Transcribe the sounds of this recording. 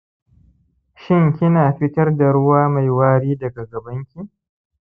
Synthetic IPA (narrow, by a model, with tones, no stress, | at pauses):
ʃɪ˦ŋkʲɪ˦naː˨ɸɪ˦tɐ˦rda˨ɽʊ˦waː˦ma˨jwaː˦ɽiː˦dɐ˨ɡa˨ɡɐ˨bɐ˦ŋkʲi˦